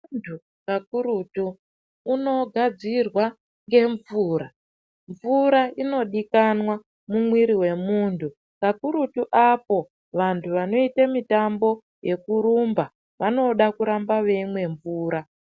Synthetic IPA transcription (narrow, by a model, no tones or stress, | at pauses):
ntʰu | kakuɾutuː | no̞ɡʱad͡zirwa | ŋɡe̞ɱvuːɾa | ɱvuɾaino̞ɗikanwa | mumwiɾiwe̞muːntʰu | kakuɾutuʔapo̞ | ʋantʰuʋano̞itamitambo̞ | je̞kuɾumba | ʋano̞ɗakuɾambaʋe̞mwe̞ɱvuːɾa